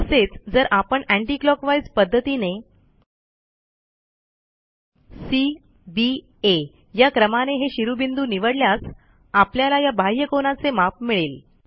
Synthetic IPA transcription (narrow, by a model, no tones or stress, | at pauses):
əset͡sd͡zəɾʔapəɳæɳʈiːklɔkʋajd͡zpəd̪ʱːət̪ine | si | bi | e | jakɾəmaneɦeɕiɾubind̪uːniʋəɽljas | apljalajabʱajəkonat͡semap̚miɭel